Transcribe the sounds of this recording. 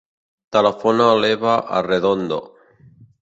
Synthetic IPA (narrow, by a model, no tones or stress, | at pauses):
t̪alafonaleβaʔa̰reðond̪o̰